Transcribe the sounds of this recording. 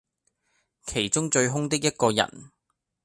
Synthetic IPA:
kʰe˨˩jt͡ʃʊ˥ŋt͡ʃɵ˧ɥɦʊ˥ŋt̪ɪ˥k̚jɐ˥t̚kɔː˧jɐ̰˨˩n

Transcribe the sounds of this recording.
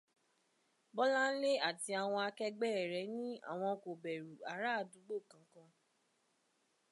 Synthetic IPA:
bɔ˦lã˦n̩˦le˦a˦˨ti˧a˨w̃ɔ̃˧a˧kɛ˧ɡ͡bɛ˦˨ɾɛ˨˦nĩ˦a̰˦˨w̃ɔ̃˧ko˨bɛ˨ɾu˨a˨˦ɾa˦˨du˨˦ɡ͡bo˦˨kã˨˦kã˧

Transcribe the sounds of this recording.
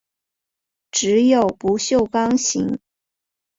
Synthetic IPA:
ʈ͡ʂɻ̩˧˥jo˨˩ʊpu˧˥ɕjo˥˩ʊkɑ˥ŋɕḭ˧˥ŋ

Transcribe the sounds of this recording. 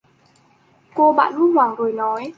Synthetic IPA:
ko˧ɓa̰ː˧˨nmu˧˥nhwaː˨˩ŋzo˨˩jnɔ˨˦j

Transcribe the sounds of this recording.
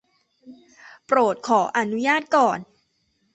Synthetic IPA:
pɾoː˨˩t̪̚kʰɔː˩˦ʔa˧nu˦˥jaː˥˩t̪̚kɔː˨˩n

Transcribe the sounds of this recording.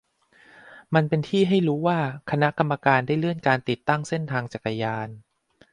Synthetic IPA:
ma˧npe˧nt̪ʰiː˥˩ɦa˥˩jɾuː˦˥waː˥˩kʰa˧na˦˥ka˧mːa˧kaː˧ndaː˥˩jlɯ˥˩ənkaː˧nt̪i˨˩t̪ːa˥˩ŋse˥˩nt̪ʰaː˧ŋt͡ɕa˨˩kːa˧jaː˧n

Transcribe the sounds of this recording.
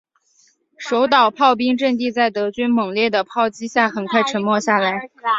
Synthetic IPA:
ʂo˧˥ʊt̪ɑ˨˩ʊpʰɑ˥˩ʊp̬i˥ŋʈ͡ʂɤ˥˧ŋt̪̬i˥˧t͡sa˥˩ɪt̪ɤ˧˥t͡ɕy˥nmɤ˨˩ŋljɛ˥˩d̪ə˩pʰɑ˥˩ʊt͡ɕi˥ɕja˥˩xə˧˥nkʰwa˥˩ɪʈ͡ʂʰə˧˥nmwɔ˥˧ɕja˥˩la˧˥ɪ

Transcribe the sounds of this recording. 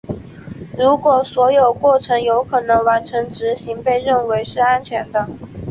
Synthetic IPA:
ɻu˧˥kwɔ˨˩swɔ˧˥jo˨˩ʊkwɔ˥˩ʈ͡ʂʰɤ˧˥ŋjo˧˥ʊkʰɤ˨˩nɤ˧˥ŋwa˧˥nʈ͡ʂʰɤ˧˥ŋʈ͡ʂɻ̩˧˥ɕi˧˥ŋpe˥˧ɪɻə˥˩nwe˧˥ɪʂɻ̩˥˧a˥nt͡ɕʰɥɛ˧˥nd̪ə˧

